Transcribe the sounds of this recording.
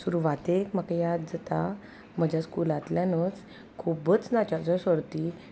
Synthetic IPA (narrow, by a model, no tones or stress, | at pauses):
suɾuʋat̪ekməkajad̪d͡zət̪a | məd͡ʑʱjaskulat̪ljanət͡s | kʰubət͡snat͡ɕat͡sɔsʋəɾt̪i